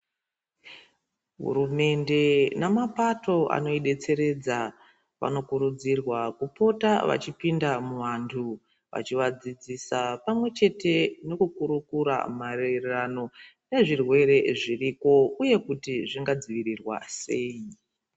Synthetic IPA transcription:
ɦṵɾume̞nde̞namapato̞ʔa̰no̞iɗe̞t͡se̞ɾe̞d͡za | ʋa̰no̞kuɾud͡zirwakupo̞taʋa̰t͡ʃipindamuʋantʰu | ʋa̰t͡ʃiʋad͡zid͡zisapamwe̞t͡ʃe̞te̞no̞kukuɾukuɾa̰marererano̞ | ne̞ʐirwe̞ɾe̞ʐiriko̞uje̞kutiʐiŋɡad͡ziʋirirwa̰se̞ii

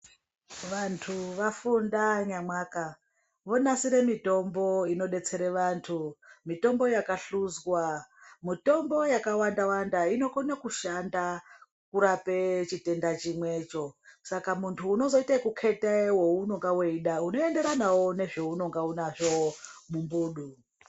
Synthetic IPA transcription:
ʋantʰuʋafundaɲamwaːka | ʋo̞nasiɾe̞mito̞mbo̞ino̞ɗe̞t͡se̞ɾeʋantʰumito̞mbo̞jakaɬuzɣwamito̞mbo̞jakawandawandaino̞ko̞nakuʃanda | kuɾape̞t͡ʃite̞ndat͡ʃimwe̞ːt͡ʃo̞sakamuntʰuːno̞zo̞itakukʰe̞tewouno̞ŋɡaweiɗauno̞e̞nde̞ɾanawo̞ne̞ʐo̞uno̞ŋɡaunaʐo̞mumbuːɗu

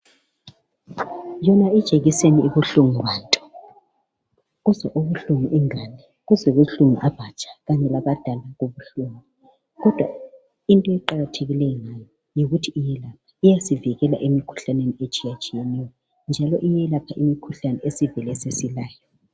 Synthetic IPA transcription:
jɔnaid̥ʒ̥ʱeɣisenieβuɬuŋuwaːntʼɔ̥ | ɣuzɛʔuβuɬuŋuʔiŋanɛ | ɣuzɛɣuɬuŋḭʔab̥ʱat͡ʃʼḁɣaɲɛlaβad̥ʱalaɣoβuɬuŋi | ɣɔd̥ʱwa | intʼɔɛǃaɣatʰeɣilɛjŋajɔ | jiɣutʰiːjɛlap̚ʰḁijasiviɣɛla̰ʔemikʰu̥ɬaneniet͡ʃʼijat͡ʃʼijɛnɛjɔ | nd͡ʒʱalɔʔijɛlapʰaʔimikʰuɬanɛesivɛlɛsesilaːjɔ

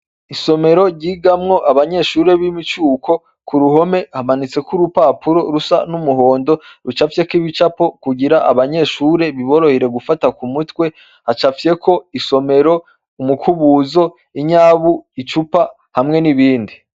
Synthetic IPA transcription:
iso̞me̞ɾo̞ɾɟiɡamŋo̞ʔaβaɲe̞ʃuːɾe̞βimit͡ʃuːkʰo̞ | kuɾuɦo̞me̞hamanit͡se̞kuɾupaːpuɾo̞ɾusa̰numuɦo̞ːndo̞ɾut͡ʃafje̞kiβit͡ʃapo̞kuɟiɾaʔa̰βaɲe̞ʃuːɾe̞βiβo̞ɾo̞hiɾe̞ɡufatakumutwe̞ | hat͡ʃafje̞kʰo̞iso̞me̞ɾo̞ | umukʰuβuːzo̞ | iɲaːβuit͡ʃupa | hamŋe̞niβiːndi

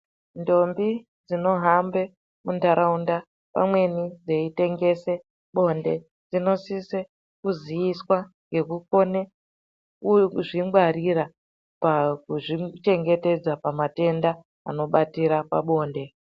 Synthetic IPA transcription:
ndo̞mbi | d͡zino̞ɦambe̞ | mundaɾaunda | pa̰mwe̞nid͡ze̞ite̞ŋɡe̞se̞ | ɓo̞nde̞ | d͡zino̞sise | kuzijiswa | ŋɡe̞kuko̞ne | kuʐiŋɡwarira | pakuʐit͡ʃe̞ŋɡe̞te̞d͡zapamate̞nda | a̰no̞ɓatiɾapaɓo̞ːnde̞

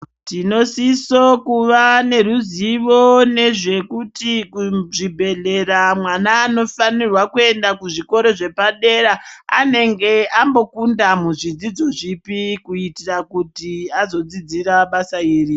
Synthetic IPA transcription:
tino̞siso̞kuʋane̞ruziʋo̞ne̞ʐe̞kutikuʐibʱe̞ɮe̞ramwanaːno̞fanirwakue̞ndakuʐiko̞ɾo̞ʐe̞paɗe̞ɾaa̰ne̞ŋɡe̞ambo̞kundamuʐid͡zid͡zo̞ʐipikuitirakutiazo̞d͡zid͡ziɾaɓasaiːri

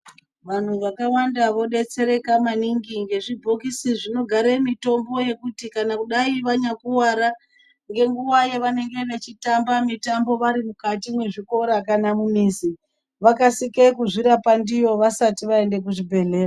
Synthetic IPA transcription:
ʋan̤uʋakawandaʋo̞ɗe̞t͡se̞ɾe̞kamaniŋɡiŋɡe̞ʐibʱokisiʐino̞ɡʱaɾemito̞mbo̞je̞kutikanakuɗaiʋaɲakuwaɾa | ŋɡe̞ŋɡuwajeʋane̞ŋɡe̞ʋet͡ʃitambamitambo̞ʋaɾimukatimwe̞ʐiko̞ɾakanamumiːsi | ʋakasikekuʐiɾapandijo̞ʋasatiʋae̞nde̞k̬uʐibʱe̞ɮe̞ːra

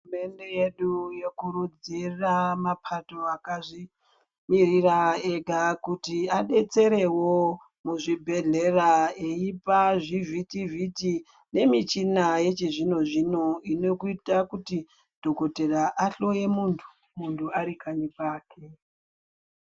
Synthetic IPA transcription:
uume̞nde̞jeɗujekuɾud͡ziramapʰato̞akaʐi | miɾirae̞ɡʱakutiaɗe̞t͡se̞ɾe̞wo̞ | muʐibʱe̞ɮe̞raeipaʐivʱitivʱiti | ne̞mit͡ʃinaje̞t͡ʃiʐino̞ʐino̞ino̞kuitakuti | d̥ʱo̞ko̞te̞raʔaɬo̞je̞muntʰu̥ | muntʰuaɾikʰaɲipaːkʰe

